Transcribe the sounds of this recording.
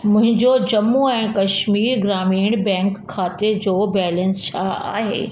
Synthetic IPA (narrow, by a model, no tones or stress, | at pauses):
mʊ̃ɦɪ̃ɲd͡ʑod͡ʑɐmːuɛ̃ːkɐʃmiːɾɡɾaːmiːɽ̃bɛ̃ːŋkʰːaːt̪ed͡ʑoːbɛːlə̃nst͡ɕʰaːa̰ːɦḛː